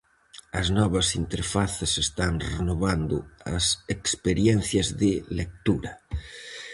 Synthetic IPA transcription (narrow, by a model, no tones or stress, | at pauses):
ɐznɔβɐsint̪eɾfaθesest̪aŋrenoβand̪ʊ̰ɐ̰sekspeɾjɛn̟θjɐzðɪlek̚t̪uɾɐ